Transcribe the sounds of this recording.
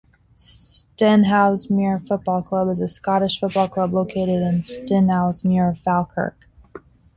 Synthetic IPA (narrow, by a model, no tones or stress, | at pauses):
sstɛ̃nɦaʊzmɪɹfʊt̚b̥ɔlˠkʰl̥ʌbəzɨskɑɾɨʃfʊt̚b̥ɔlˠkʰl̥ʌbloʊkʰeɪɾɨɾɨ̃nstɪ̃nhaʊzmjʊɹfælˠkʰɜ̰˞k